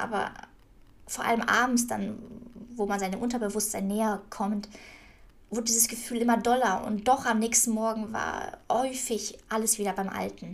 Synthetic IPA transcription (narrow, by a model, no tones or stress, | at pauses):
ʔa̰ːbɐ̰ | foːɐʔa̰ləmʔa̰ːbm̩sd̥a̰nvoːmanzaɪnəmʔʊntɐbəvʊstz̥aɪnːeːɐkʰɔmt | vʊɐdədiːzəsɡ̥əfyːlʔɪmɐdɔlɐʔʊ̰nt̚d̥ɔχamnɛːçstn̩mɔɐɡŋ̩va̰ːɐhɔʏfɪçʔaləsv̥iːdɐbaɪmʔa̰ltn̩